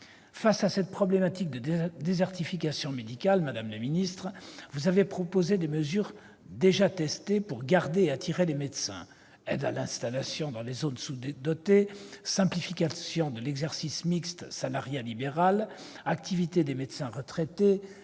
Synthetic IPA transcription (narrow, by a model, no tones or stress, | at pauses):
fasasɛt̪̚pχɔblemat̪ik̚d̪əd̪ezɛʁt̪ifikasjɔ̃med̪ikʲalmad̪amləminist̪χvuzavepχɔpozed̪eməzyʁ | d̪eʒat̪ɛst̪epuʁɡaʁd̪eːat̪ʰiʁelemed̪sɛ̰̃ | ɛ̰d̪a̰lɛ̃st̪alasjɔ̃d̪ɑ̃lezonsud̪d̪ɔt̪esɛ̃plifikasjɔ̃d̪əlɛɡzɛʁsismikst̪salaʁjalibeʁal | akt̪ivit̪ed̪emed̪sɛ̃ʁət̪χɛt̪e